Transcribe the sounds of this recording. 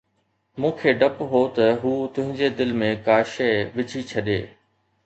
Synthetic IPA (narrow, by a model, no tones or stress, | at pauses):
mũːkʰeːɖɐpɦot̪ɐɦuːt̪ʊ̃ɦɪ̃ɲd͡ʑed̪ɪlmẽkaːʃɛʋɪt͡ɕʰit͡ɕʰɐɗḛː